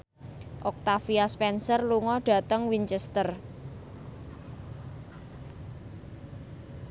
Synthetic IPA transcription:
ʔɔk̚t̪afiaspɛnsərluŋɔɖ̥ä̤t̪əŋwiɲt͡ʃɛst̪ər

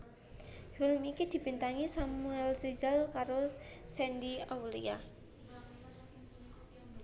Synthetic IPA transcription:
hulmikid̪̥i̤pint̪aŋisamuɛlsizalkaɾosɛnd̪iawlḭa

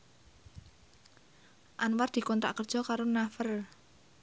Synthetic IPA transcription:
ʔanward̪̥i̤kɔnt̪ɾa̰ʔkərd̥ʒ̥ɔ̤kaɾonafər

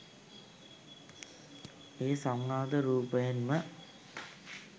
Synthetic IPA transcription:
eːsamːaːd̪əɾuːpəjənmə

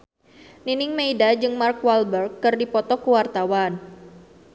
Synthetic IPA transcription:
ninɪŋmeidad͡ʒɨŋmarkwalbərkːɨrdipɔt̪ɔkuwart̪awan

